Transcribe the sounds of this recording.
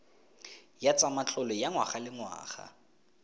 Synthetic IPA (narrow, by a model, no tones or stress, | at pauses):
jat͡sʼamat͡ɬʼɔlɔjaŋwaχalɪŋwa̰ːχa̰